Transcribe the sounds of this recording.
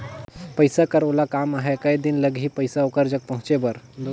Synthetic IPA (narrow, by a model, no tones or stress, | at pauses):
pəjsakəɾolakamaɦekəjd̪inləɡʱɦiːpəjsaokəɾd͡ʒək̚pəɦũt͡ʃebəɾ